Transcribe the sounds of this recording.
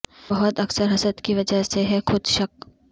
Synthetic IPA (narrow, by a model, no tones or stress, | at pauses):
bɐɦʊt̪ɐksəɾɦɐsəd̪kiʋɐd͡ʒəɦseɦɛxʰʊd̪ʃɐk